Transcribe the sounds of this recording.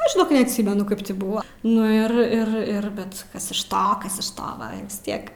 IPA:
ˈɐʃ ʒʲɪˈnoːk nʲɛɐtʲˈsʲiːmʲɛnʊ ˈkɐɪp tʲɪ ˈbuːʋɐ nʊ ɪr ˈɪr ˈɪr ˈbʲɛt ˈkɐs ɪʃ ˈtoː ˈkɐs ɪʃ ˈtoː ˈʋɐ ɪ ʋʲɪs ˈtʲiɛk

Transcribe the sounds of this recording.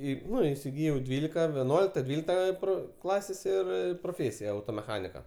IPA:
ˈiː ˈnʊ iːsʲɪˈɡʲiːjɛʊ ˈdʲʋʲiːlʲɪkɐ ʋʲɛˈnuɔlʲɪktɐ ˈdʲʋʲiːlʲɪktɐ ɪ ˈproː ˈklˠɑːsʲeːsʲ ˈɪr proːˈfʲeːsʲɪjɛ ɐʊtoːmʲɛˈxɑːnʲɪkɐ

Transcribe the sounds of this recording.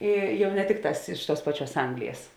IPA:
ˈɪ ˈjɛʊ nʲɛ ˈtʲɪkˌtɑːs ˈɪʃ ˌtuɔs ˈpɑːˌt͡ʃʲuɔs ˈɐŋɡlʲɪjɛs

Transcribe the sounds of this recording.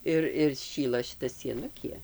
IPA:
ˈɪr ɪr ˈʃʲiːlˠɐ ʃʲɪˈtɐ sʲiɛˈnʊkʲiɛ

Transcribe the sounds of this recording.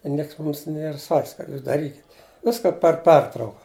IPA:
ɪ ˈnʲiɛks ˈmʊms nʲiɛr sɐkʲsʲ kɐt ˈjuːs dɐˈrʲiːkʲɪtʲ ˈʋʲɪskɐ pʲɛr ˈpʲɛrtrɐʊkɐ

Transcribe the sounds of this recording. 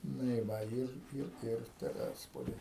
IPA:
ˈnʊ ɪ ˈʋɐ ˈɪr ˈɪr ˈɪr tʲɛˈrʲæːspoːlʲiː

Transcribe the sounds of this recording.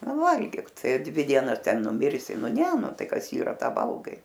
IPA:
ˈnʊ ˈʋɐlʲɡʲiːk ˈtɐɪ ɐ ˈdʲʋʲɪ ˈdʲiɛnɐs ˈtʲɛn nʊˈmʲɪrʲsʲɪ ˈnʊ ˈnʲɛ ˈnʊ ˈtɐɪ ˈkɐs ˈiːrɐ ˈtɑː ˈʋɐlˠɡɐɪ

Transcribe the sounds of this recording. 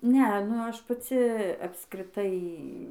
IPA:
ˈnʲɛɐ nʊ ˈɐʃ pɐˈt͡sʲɪ ɐpskrʲɪˈtɐɪ

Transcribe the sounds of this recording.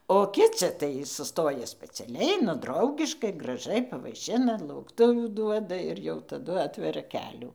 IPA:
oː ˈkʲɪt͡sʲɪ tɐɪ sʊˈstoːjɛ sʲpʲɛt͡sʲɛˈlʲɛɪ nʊ ˈdrɐʊɡʲɪʃkɐɪ ɡrɐˈʒɐɪ pɐʋɐɪˈʃʲɪnɐ lˠɐʊkˈtʊʋʲuː ˈduɔdɐ ɪr jɛʊ tɐˈdʊ ˈɑːtʲʋʲɛrʲɛ ˈkʲæːlʲuː

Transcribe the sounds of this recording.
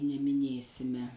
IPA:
nʲɛmʲɪˈnʲeːsʲɪmʲɛ

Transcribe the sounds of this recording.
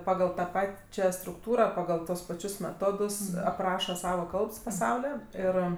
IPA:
ˈpɑːɡɐlˠ tɐ ˈpɑːt͡ʃʲɛ strʊkˈtuːrɐ pɐɡɐlˠ ˈtuɔs pɐˈt͡ʃʲʊs mʲɛˈtoːdʊs ɐpˈrɑːʃɐ ˈsɑːʋɐ ˈkɐlˠps pɐˈsɐʊlʲoː ˈɪr

